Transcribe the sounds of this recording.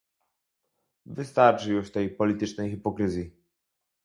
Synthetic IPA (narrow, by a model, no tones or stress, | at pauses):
vɘst̪aɾt͡ʂɘjuʂt̪ɛjpɔlʲit̪ɘt͡ʂnɛjxipɔkɾɘzʲji